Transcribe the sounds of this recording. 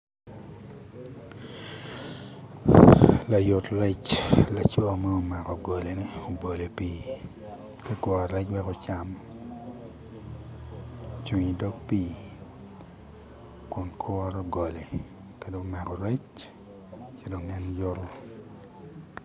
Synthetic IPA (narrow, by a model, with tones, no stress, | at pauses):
la˨jo˨tɾɛ˦t͡ʃla˨t͡ʃo˦a˨ma˦o˦ma˨kɔ˨ɡo˨le˨nɪ˦o˨bo˨le˨piː˦ | ke˦kwɔ˨ɾɛ˦t͡ʃwɛ˦ko˦t͡ʃa˨m | t͡ʃu˨ŋi˨do˦k̚piː˦ | kʊ˨nkʰɔ˦ɾɔ˦ɡo˨le˨ | ke˦do˦ma˨kɔ˨ɾɛ˦t͡ʃ | ke˦do˨ŋɛ˦nd͡ʒo˦ɾʊ˦